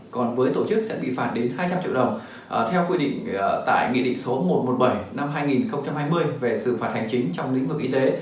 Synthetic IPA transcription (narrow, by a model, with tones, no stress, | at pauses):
kɔ˨˩nvəː˨˦jt̪o˧˩t͡ɕɨ˦˥k̚sɛ̰˧˥ɓḭ˧˨fa̰ː˧˩nɗe˨˦nɦaː˧jt͡ɕa˧mt͡ɕḭ˧˨ɗə˨˩wŋ͡m | ʔt̪ʰɛ˧wkwi˧ɗḭ̈˧˨ŋ̟˩t̪a̰ː˧˨jŋḭ˧˨ɗḭ˧˨ŋ̟so˨˦mo˨˩t̚mo˨˩t̚ɓə˧˩jna˧mɦaː˧jŋi˨˩nxə˧wŋ͡mt͡ɕa˧mhaː˧jmɨ˧əjve˨˩sɨ̰˧˩faː˨˩t̚ha˨˩jŋ̟t͡ɕï˨˦ŋ̟t͡ɕɔ˧wŋ͡mlḭ˧˥ŋ̟vɨ˨˩k̚ʔi˧t̪e˨˦